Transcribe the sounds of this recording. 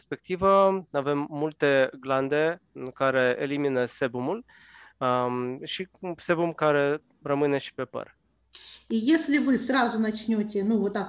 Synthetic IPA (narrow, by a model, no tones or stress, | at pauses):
spʲe̞k̚t̪ivəave̞mːult̪e̞ɡland̪e̞ɨkaɾe̞eliminəse̞bumul | ʃise̞bumkaɾe̞ | rəmɨne̞ʃi̥pe̞pə̰r | ijesʲlʲɪvɨsrazʊnɐt͡ʃnʲot̪ʲenuvot̪ːak